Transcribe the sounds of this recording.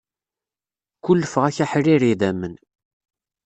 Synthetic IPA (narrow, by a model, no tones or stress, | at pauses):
kʷːʊlːəfʁæçæħriɾiðæmːən